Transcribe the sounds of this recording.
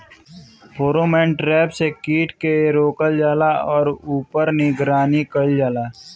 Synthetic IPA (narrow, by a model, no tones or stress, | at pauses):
pʰoːɾoːmẽːɳʈɾɛːpsekiːʈʰkeɾoːkəld͡ʒaːlaɔːɾuːpəɾnɪɡɾaːnikəɽd͡ʒaːlaː